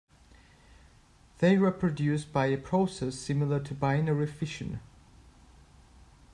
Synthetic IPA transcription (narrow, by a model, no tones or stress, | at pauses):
ðeɪɹɛpʰɹədjʉsb̥aɪəpʰɹ̥oʊsɛsɪ̃mɪl̩ˠətʰəbaɪ̃nəɹɪfɪʃə̃n